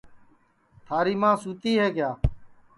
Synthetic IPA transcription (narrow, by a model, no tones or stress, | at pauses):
t̪ʰaːɾiːmãːsuːt̪iːɦeːkjaː